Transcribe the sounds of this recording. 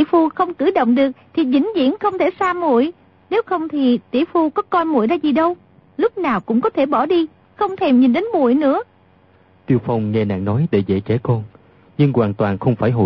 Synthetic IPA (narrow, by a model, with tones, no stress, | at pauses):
i˧˨fu˧xə˧wŋ͡mkɨ˧˩ɗo̰˧˨wŋ͡mɗɨ˨˩ək̚t̪ʰi˨˩zï˧˩˦ŋ̟zḭ˧˥ənxə˧wŋ͡mt̪ʰe˧˩saː˧mṵ˧˨əj | ne˨˦wxə˧wŋ͡mt̪ʰi˨˩t̪ḭ˧˩fu˧kɔ˨˦kɔ˧jmṵ˧˨əjzaː˧zi˨˩ɗə˧w | lʊ˦˥k͡p̚naː˨˩wkʊ̰˧˥ŋ͡mkɔ˨˦t̪ʰe˧˩ɓɔ˧˩ɗi˧ | xə˧wŋ͡mt̪ʰe˧˩mɲi˨˩nɗe˨˦nmṵ˧˨əjnɨ̰˧˥ə | t̪i˧əwfa˧wŋ͡mŋɛ˧na̰ː˧˨ŋnɔ˨˦jɗe˧˩zḛ˧˩t͡ɕɛ˧˥˦kɔ˧n | ɲɨ˧ŋkwaː˨˩nt̪waː˨˩nxə˧wŋ͡mfaː˧˩jɦo̰˧˨